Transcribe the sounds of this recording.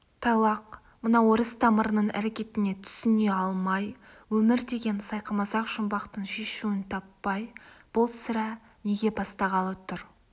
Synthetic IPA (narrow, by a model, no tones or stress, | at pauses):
t̪ʰɑlˠɑq | mənɑwoɾəst̪ʰɑməɾənəɴæ̰ɾe̞kʲe̞t̪ɪne̞t̪ʰʏ̥sɪneɑlˠmɑj | wɵmɪɾd̪e̞ɡʲe̞nsɑjqʰəmɑzɑqʒʊmbɑqt̪əɴʃe̞ʃuɪnt̪ʰɑpːɑjb̥olˠsɪɾɑ | ne̞ɡʲe̞bɑst̪ɑʁɑlˠət̪ʰʊɾ